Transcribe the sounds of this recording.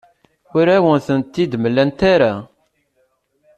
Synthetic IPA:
ʊɾæwənθənt̪ːid̪məlːænt̪aɾa

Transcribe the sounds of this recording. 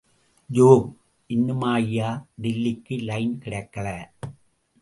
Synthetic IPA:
d͡ʒoːm | ʔɪnːɯmaːjɪjaːɖɪlːɪkːɯlɐɪnkɪɽɐkːɐɭɐ

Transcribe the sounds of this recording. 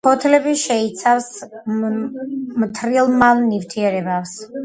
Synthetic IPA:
pʰɔt̪ʰlɛbiʃɛit̪sʰavs | mt̪ʰɾilˠmalˠnivt̪ʰiɛɾɛbafs

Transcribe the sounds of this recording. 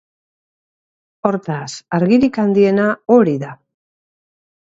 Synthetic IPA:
o̞ɾt̪asaɾɣiɾikand̪ie̞naoɾiða

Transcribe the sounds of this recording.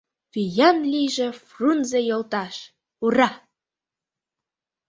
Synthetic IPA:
βijɑmlʲiʒĕfrunzejolˠt̪ɑʃ | urɑ

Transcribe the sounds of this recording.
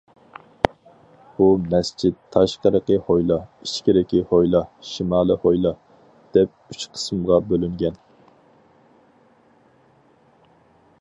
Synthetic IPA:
b̥umɛst͡ʃit̪t̪ʰːɑʃqəɾəqəhojlˠɑiʃkʲiɾɪkʲihojlˠɑʃimɑːlˠɨhojlˠɑ | d̪̥ɛp̚yt͡ʃqʰə̥smʁɑbølyŋɡʲɛn

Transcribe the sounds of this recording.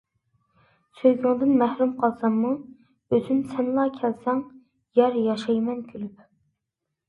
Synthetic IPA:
søjɡʲyŋd̪ɨnmɛhɾumqʰɑlˠsɑmːu | øzynsɛnlˠɑːkʲʰɛlsɛŋ | jɛɾjɑʃɑjmɛnkʲʰylyp

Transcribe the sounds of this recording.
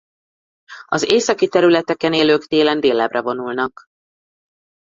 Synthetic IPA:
ɒzeːsɒkit̪ɛɾylɛt̪ɛkɛneːløːkt̪eːlɛnd̪eːlːɛbrʔɛvo̞nulnɒk

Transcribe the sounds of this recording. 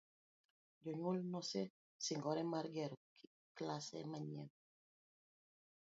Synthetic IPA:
d͡ʒɔɲulnɔsɛ | siŋɡɔɾɛmaɾɡɛɾɔki | klasɛ̰maɲɛ̰n

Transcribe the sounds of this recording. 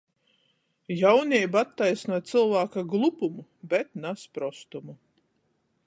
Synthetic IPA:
jawnʲibat̪ːajsnuɔt̪t̪sɨlˠvaːkaɡlˠupumubʲɛt̪naspɾɔst̪umu

